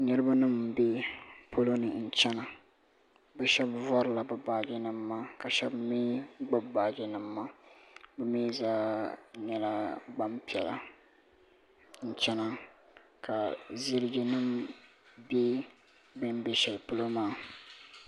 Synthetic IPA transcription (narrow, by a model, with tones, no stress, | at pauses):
nɨ˦ɾɨ˦ba˦nɨ˦mbe˦po˦lo˦nɨ˨n̩˨t͡ʃɛ˦na˨ | bɛ˦ʃɛ˦bvɔ˦ɾɨ˨la˨bɨ˨baː˨ɡɪ˦nɨ˨mːa˦ka˨ʃɛ˦bmiː˦ɡ͡ba˦bbaː˨ɡɪ˦nɨ˨mːa˦bɛ˦miː˦zaː˦ɲɛ˦la˦ɡ͡ba˦mpi˨ɛ˨la̰˨ | n̩˨t͡ʃɛ˦na˦ | ka˨zɪ˦ɾɪ˦ɡɪ˨nɨ˦m | be˦ | bɨ˦m˦be˨˦ʃɛ˨lpʊ˦lo˦maː˦